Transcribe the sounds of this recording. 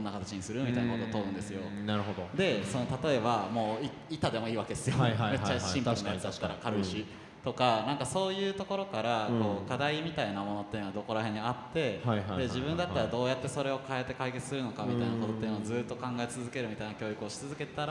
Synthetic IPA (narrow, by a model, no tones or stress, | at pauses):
nːakat̪ḁt͡ɕiɲ̟isɨɾɯ̟mʲitainakot̪oːt̪oɯ̃nd̪e̞ssɨjo̞naɾɯ̟ɦod̪od̪e̞so̞not̪at̪o̞e̞bamo̞ːi | it̪ad̪e̞mo̞iːβaked̪esɨjoamet͡ɕːaɕĩmanːjat͡sɨd̪att̪ːaɾakaɾɯɕi | t̪o̞kanãŋkaso̞ːjɯ̟ːt̪o̞ko̞ɾo̞kaɾako̞ːkad̪aimʲit̪ainamo̞no̞t̪ːeɯnoad̪o̞ko̞ɾaɦe̞ɲːiat̪ːe̞hajad̪e̞ʑibɯ̟̃nd̪at̪ːaɾad̪o̞ːjat̪ːe̞so̞ɾe̞o̞kae̞t̪ːe̞kaike̞t͡sɨ̥sɨɾɯ̟no̞kamʲit̪ainako̞t̪o̞t̪ːejːɯnoːzɨːt̪ːo̞kãŋɡae̞t͡sɨzɨke̞ɾɯ̟mʲit̪ainakʲo̞ːjɯkɯ̟o̞ɕi̥t͡sɨzɨke̞t̪aɾ